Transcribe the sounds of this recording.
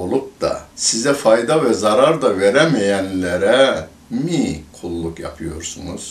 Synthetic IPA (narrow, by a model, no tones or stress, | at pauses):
olˠup̚d̪a̰sizɛfajd̪avɛzaɾaɾd̪aveɾɛmijænlʲeɾɛ | mikʰulˠːukja̰pʰɯjo̞̰ɾsunuz̥